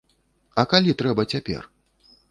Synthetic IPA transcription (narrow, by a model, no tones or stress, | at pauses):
ɐkalʲit̪ɾɛbɐt͡sʲapʲɛ̰r